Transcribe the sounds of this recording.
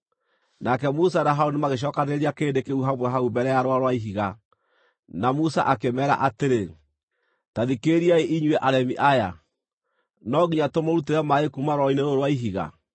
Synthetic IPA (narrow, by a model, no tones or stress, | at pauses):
nakɛmusanaɦaonemaɣeʃ̬ɔkaneɾeɾiakeːndekeuɦamwɛɦaubɛɾɛjaɾwaɾwaiɦiɣa | namusa̰ʔakemɛɾa̰ʔateɾe | taðikeɾiaeʔiɲuɛʔaɾɛmiʔaja | nɔɡiɲatomaɾuteɾamaekumaɾɔineɾoɾwaiɦiɣa̰